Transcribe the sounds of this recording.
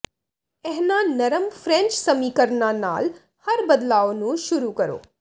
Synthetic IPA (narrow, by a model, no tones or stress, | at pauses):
ɛɦnanɐɾəmfʰɾẽnt͡ʃsɐmiːkəɾnana̰ːl | hɐɾbəd̪laːʋonũʃuɾukəɾo̰ː